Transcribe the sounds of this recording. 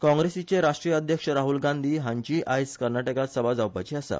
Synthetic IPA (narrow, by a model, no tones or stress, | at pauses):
kɔ̃ŋɡɾesit͡ɕeɾaʂʈɾijəəd̪ʱjəkʂəɾaɦulɡãnd̪ʱiːɦãɲt͡ɕiːʔajskəɾnaʈəkat̪səbad͡zawpajt͡ɕiasa̰